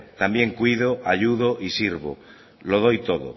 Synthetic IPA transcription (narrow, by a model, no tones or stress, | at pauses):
t̪ambjeŋkwiðoaʎuðoʔisiɾβo̰ | loð̞ojt̪oðo̰